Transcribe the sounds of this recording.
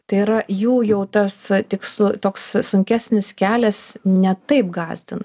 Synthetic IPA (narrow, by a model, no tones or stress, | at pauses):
t̪ɐɪiɾɐjuːjɛʊt̪ɐst̪ʲɪkslˠʊt̪oːkssʊŋʲkʲæːsʲnʲɪskʲæːlʲɛsnʲɛt̪ɐɪp̚ɡɑːzʲd̪ʲɪnɐ